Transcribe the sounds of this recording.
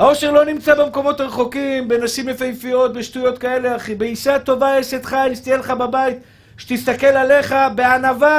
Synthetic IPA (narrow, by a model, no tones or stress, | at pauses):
hao̞ʃeʁlo̞nimt͡sabemko̞mo̞t̪aʁeχo̞kimbe̞naʃimlefajfijo̞t̪̚beʃtujo̞t̪kae̞leaχibeiʃat̪o̞vaeset̪χalist̪ijeleχababait̪ | ʃe̥t̪ist̪ake̞lale̞χabe̞anava